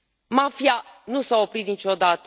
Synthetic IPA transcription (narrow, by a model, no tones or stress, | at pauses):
mafianusao̞pɾit̪̚nit͡ʃo̞d̪at̪ə